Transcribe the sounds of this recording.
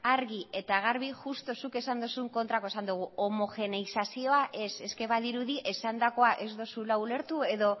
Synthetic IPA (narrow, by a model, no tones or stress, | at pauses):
aɾɣiʔe̞t̪aɣaɾβiʝust̪o̞suke̞sand̪osuŋko̞nt̪ɾakosand̪uɣ̞uomo̞ʝe̞neisasio̞aʔe̞se̞ske̞βaðiɾuðiʔe̞sand̪ako̞aʔe̞zd̪o̞sulaule̞ɾt̪ue̞ðo̞